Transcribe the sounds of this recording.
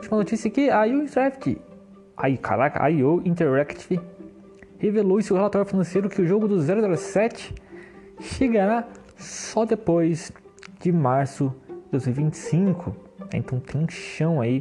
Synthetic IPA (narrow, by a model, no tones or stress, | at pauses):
ut͡ʃimɐnot͡ʃisiɐkɪajoĩnɾɛkt͡ʃɪ̰ | aka̰ɾaka̰joĩnt̪eɾɛkt͡ʃ̪ | hevelowseʊhelat̪ɔɾjʊfinɐ̃sejɾʊkɪʊʒoɡʊd̪ʊzɛɾʊzɛɾɐsɛt͡ʃɪ̥ | ʃeɡaɾa | sɔd̪epojz | d͡ʒɪmaɾsʊd͡ʒɪd̪ojzmiwivĩt͡ʃɪ̥sĩŋkʰʊ | ɛ̰̃nt̪ɐ̃w̃t̪ʰẽj̃ũʃɐ̃w̃ai